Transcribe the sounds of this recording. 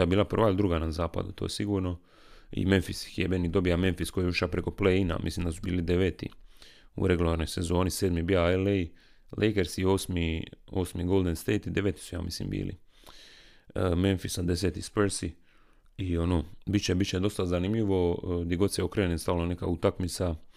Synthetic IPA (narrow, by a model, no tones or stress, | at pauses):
abiːlˠapr̩ʋaild̪ɾuɡanazaːpa̰d̪ṵt̪o̞̰jsiɡuːɾno̞ | ḭme̞nfisxjebenid̪o̞bijame̞nfisko̞juʃapɾeko̞pleina̰mḭslimd̪asubiːlid̪eʋeːt̪ḭṵɾeɡulaɾno̞jse̞zo̞ːniseːd̪mibiaele | lʔejkeɾsioːsmioːsmiɡoːlˠd̪enst̪eːjt̪id̪e̞ʋeːt̪i̥suja̰ːmḭslḭmbḭːlḭ | me̞nfisad̪e̞set̪ispeɾsi | io̞noːbit̪t͡ɕebit̪t͡ɕed̪o̞st̪azanimʎiʋo̞d̪jeɡo̞t̪sjeokɾenenst̪aʋlone̞ka̰ut̪akmit̪sa